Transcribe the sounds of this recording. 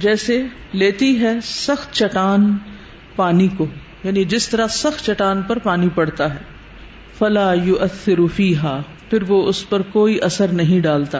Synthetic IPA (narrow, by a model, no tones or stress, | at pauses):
d͡ʒɛːse | leːt̪iɦɛsɐxt̪t͡ʃɐʈaːn | paːnikoː | jaːnid͡ʒɪst̪ɐɾasɐxt̪t͡ʃɐʈaːnpɐɾpaːnipɐɽt̪aɦɛː | fɐlaːjʊʔɐθːɪɾfiːɦaː | fɪɾʋoʊspɐɾkoːiʔɐsəɾnɐɦĩɖaːlt̪a